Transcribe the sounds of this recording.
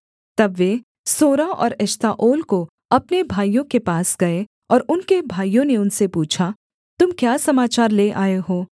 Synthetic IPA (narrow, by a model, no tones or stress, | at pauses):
t̪ɐbʋeː | soːɾaɔ̰ːɾɛʃt̪aʔoːlko | ɐpnebʱaːijõkepaːsɡɐe | ɔːɾʊnkebʱaːijõneʊnsepuːt͡ʃʰa | t̪ʊmkjaːsɐmaːt͡ʃaːɾleʔaːeɦoː